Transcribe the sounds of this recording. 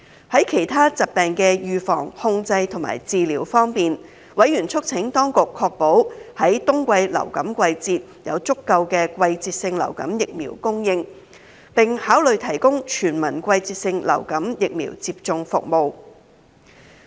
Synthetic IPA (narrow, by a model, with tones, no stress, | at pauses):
hɐ˨˥jkʰe˨˩jt̪ʰaː˥t͡sɐ˨˩t̚pɛː˨ŋkɛː˧jyː˨˧fɔ̰ː˨˩ŋhʊ˧ŋt͡sɐ˧jt̪ʰʊ˨˩ŋma̰ː˨˩jt͡siː˧liː˨˩wfɔː˥ŋpiː˨n | wɐ˨˥jɥyː˨˩nt͡sʰɵ˥k̚t͡sʰɪ˨˥ŋt̪ɔː˥ŋkʊ˨kʰːɔː˧k̚po˨˥whɐ˨˥jt̪ʊ˥ŋkʷɐ˧jlɐ̰˨˩wkɐ˨˥mkʷɐ˧jt͡siː˧t̚jɐ̰˨˧wt͡sʊ˥kːɐ˧wkɛː˧kʷwɐ˧jt͡siː˧t̚sɪ˧ŋlɐ̰˨˩wkɐ˨˥mjɪ˨k̚miː˨˩wkʊ˥ŋjɪ˧ŋ | pɪ˨ŋhaː˨˥wlɵ˨ɥt̪ʰɐ˨˩jkʊ˥ŋt͡ʃʰyː˨˩nmɐ˨˩nkʷɐ˧jt͡siː˧t̚sɪ˧ŋlɐ̰˨˩wkɐ˨˥mjɪ˨k̚mḭː˨˩wt͡siː˧p̚t͡sʊ˨˧ŋfʊ̰˨k̚mo˨w